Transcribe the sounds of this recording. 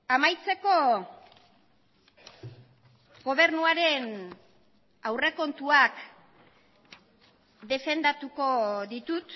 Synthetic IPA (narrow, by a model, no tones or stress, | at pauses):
amajt͡se̞ko̞ | ɣo̞βe̞ɾnuaɾe̞n | awre̞ko̞nt̪uak | d̪e̞fe̞nd̪at̪uko̞ðit̪ut̪